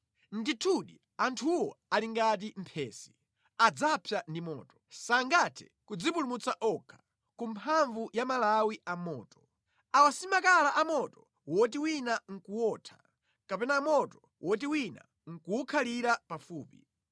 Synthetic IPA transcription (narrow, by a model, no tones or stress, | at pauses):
nditʰuɗi | antʰuwɔaliŋɡat̬im̩pʰɛːsi̥ | ad͡zapʰjandimɔ̰ːtɔsaŋɡatʰɛ̥ | kud͡zipulumut͡saʔɔkʰḁ | kumpʰaɱvujamalawiamɔːtɔ̥ | awasimakalaʔamɔtɔ | wɔtiwinaŋ̩kuwɔːtʰḁ | kapɛnamɔtɔ | wʔɔt̬iwina̰ | ŋ̩kuwukʰaliɾapafuːpi